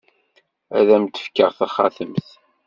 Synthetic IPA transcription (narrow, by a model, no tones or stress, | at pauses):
æðæmt̪ːə̥fkːəʁθaχːaθəmθ